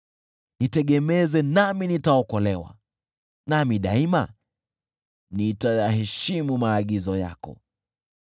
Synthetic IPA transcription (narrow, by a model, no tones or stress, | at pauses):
nitɛɠɛmɛzɛnaminitaɔkɔlɛwa̰ | namiɗa̰ima̰ | nitajaɦɛʃimumaːɠizɔja̰kɔ̰